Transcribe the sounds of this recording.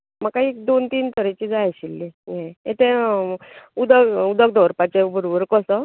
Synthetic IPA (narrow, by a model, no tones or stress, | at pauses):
məkaɦiek̚d̪ont̪iːnt̪ʰəɾet͡ɕiːd͡zajɕilːijɛ̃et̪ẽ | ud̪əɡud̪əɡ̚d̪ʱɔɾpat͡ɕebəɾobəɾkɔsɔ